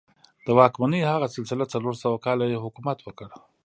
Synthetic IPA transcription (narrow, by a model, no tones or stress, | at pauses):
d̪̥əwɑkmanəjhaɣasɪlsɪlat͡saloɾsəwakɑlajehʊkumat̪wəkəɽ